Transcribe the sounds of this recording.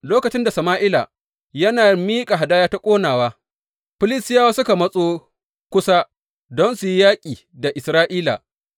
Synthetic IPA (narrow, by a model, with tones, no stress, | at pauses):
loː˦kɐ˨t͡ʃɪ˦nda˨sɐ˨maː˦ʔɪ˦la̰˨ | jɐ˦naː˨miː˦kʼa˨ɦa˨daː˦jaː˦ta˦kʷʼoː˦naː˨waː˦ | ɸɪ˦lɪ˦stɪ˦jaː˦waː˦sʊ˦ka˨mɐ˦sʼoː˦ | kʷʊ˦sa˦ | dɔ˦nsu˨ji˦jaː˦kʲʼiː˨ | da˨ʔɪ˨sɾaː˦ʔiː˦la̰˨